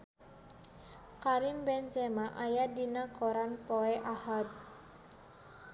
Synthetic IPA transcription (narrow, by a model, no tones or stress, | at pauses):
kaɾimbɛnzɛmaʔajadinakʰoɾanpɔɛʔahat̪̚